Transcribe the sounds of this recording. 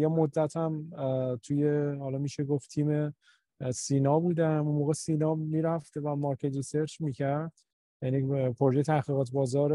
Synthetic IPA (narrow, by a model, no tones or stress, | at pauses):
jemod̪ːæt̪ʰæmt̪ʰujehɒːlɒmiːʃeɡoftt̪ʰiːme̞ | siːnɒːbuːd̪æunmoːɣesiːnɒːmːiːɾæft̪væmɒːɾkʰet̪oseɾt͡ʃmiːcʰæɾd̪̥ | jænipʰoɾoʒejet̪ʰæhɡiːɣɒːt̪ʰbɒːzɒːɾ